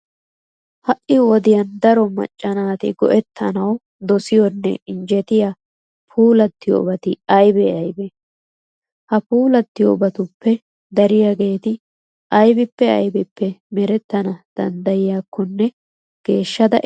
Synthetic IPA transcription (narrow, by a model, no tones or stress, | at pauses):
hɐʔɪwɔd̪ɪjɐnd̪ɐɾɔmɐ̰t͡ʃʼːɐnaːt̪ɪ̰ɡɔʔɛt̪ʰːɐnɐw | d̪ɔsɪjɔnːɛ̰ɪnd͡ʒɛt̪ɪja | pʰuːlɐt̪ːɪjo̰ːbɐt̪ɪɐjbɛɐjbɛ | hɐpuːlɐt̪ːɪjo̰ːbɐt̪ʊpːɛ | d̪ɐɾɪjaɡe̞ːt̪ɪ | ɐjbɪpːɛɐ̰jbɪpːɛmɛɾɛt̪ːɐnɐd̪̥ɐnd̪ɐjɪjaːkːɔnːɛ | ɡ̥e̞ːʃːɐd̪ɐ